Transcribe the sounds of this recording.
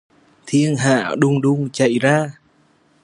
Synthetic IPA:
t̪ʰi˧ənɦa̰ː˧˩ɗʊ˧ŋ͡mɗʊ˧ŋ͡mt͡ɕə̰˧˨jzaː˧

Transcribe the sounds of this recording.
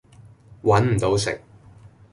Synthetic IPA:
wʔɐ˨˥nm̩˨˩t̪o˨˥wsɪ̰˨k̚

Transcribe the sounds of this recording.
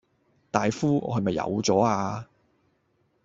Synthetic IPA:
t̪aː˨jfuː˥ɔ̰ː˧ɦɐ˨jmɐ˨jːɐ̰˨˧wt͡sɔː˨˥aː˧

